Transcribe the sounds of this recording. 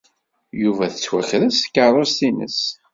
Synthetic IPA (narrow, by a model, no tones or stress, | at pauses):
juvæθət͡sːwæxɾəskːəɾˤost̪inə̰s